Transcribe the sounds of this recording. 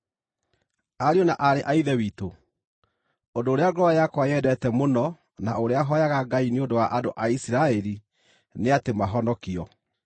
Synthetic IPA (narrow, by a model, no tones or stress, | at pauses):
aɾiɔnaʔaɾeʔaiðɛwiːto | ondoːɾeaɡɾɔajakwajɛdɛtɛmonɔ | naoɾeaɦɔjaɣaɡaineondowaʔadoʔaisiɾaɛɾi | neatemaɦɔnɔkiɔ